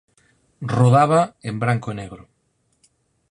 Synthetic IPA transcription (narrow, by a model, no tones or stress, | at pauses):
roðaβaembɾaŋkoneɣɾo